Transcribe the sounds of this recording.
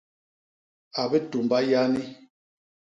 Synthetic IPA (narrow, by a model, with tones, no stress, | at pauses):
a˨bɛ˦tu˨mba˦ja˦ni˦